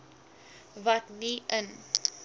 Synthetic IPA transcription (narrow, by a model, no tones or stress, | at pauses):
vɐtniən